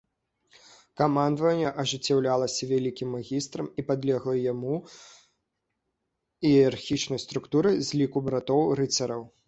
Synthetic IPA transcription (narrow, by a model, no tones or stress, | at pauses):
kamand̪vɐnʲːɛʔɐʐɨt͡sʲːawlʲalˠɐsʲɐvʲalʲikʲimːaɣʲist̪ɾɐmipad̪lʲɛɣlˠɐjamu | iarxʲit͡ʂnɐjst̪ɾukt̪uɾɨzʲlʲikubɾat̪ɔwɾɨt͡s̪ʲɐɾɐw